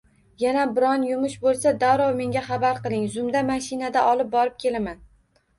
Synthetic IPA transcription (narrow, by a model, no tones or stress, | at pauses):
janabɪɾɒnjʊmʊʃbolˠsad̪awɾɒwme̞ŋʲaχɑbaɾqɨlˠɪŋzʊmd̪amaʃɪnad̪aʔɒlˠɪp̚bɒɾɪp̚kʲʰe̞laman